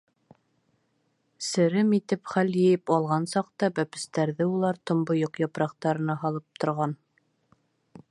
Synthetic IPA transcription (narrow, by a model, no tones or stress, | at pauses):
sɘ̆ɾɘmit̪ɘpχæljɘ̆jɘpɑlˠʁɑnsɑq̚t̪ɑbæpɘ̆st̪æɾðɘulˠɑɾt̪ŏmbojoqjɑpɾɑqt̪ɑɾɤ̆nɑɦɑlˠɤp̚t̪ŏɾʁɑn